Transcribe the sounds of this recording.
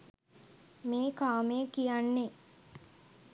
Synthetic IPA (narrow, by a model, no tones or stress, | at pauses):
meːkaːmekijanːe